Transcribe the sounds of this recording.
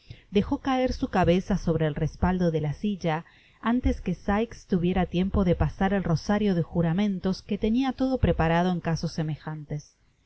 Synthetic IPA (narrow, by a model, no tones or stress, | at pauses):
d̪e̞xo̞kae̞ɾsukaβesaso̞βɾeːlrespald̪oðe̞lasiʒa | ant̪e̞skesajkst̪uβje̞ɾat̪je̞mpo̞ðe̞pasaɾelro̞saɾjo̞ðexuɾamẽ̞nt̪o̞ske̞t̪eniat̪o̞ðo̞pɾepaɾað̞oeŋkaso̞sːemexant̪e̞s